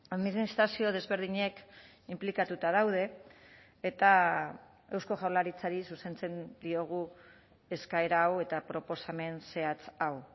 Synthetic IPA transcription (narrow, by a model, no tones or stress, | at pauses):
aðminist̪ɾasio̞ð̞e̞zβe̞ɾð̞iɲe̞k | implikat̪ut̪að̞awð̞e̞ː | t̪a | e̞wsko̞ʝawlaɾit͡saɾisuse̞nt͡se̞nd̪io̞ɣ̞u | e̞skae̞ɾaːwe̞t̪apɾo̞po̞same̞nse̞at͡saw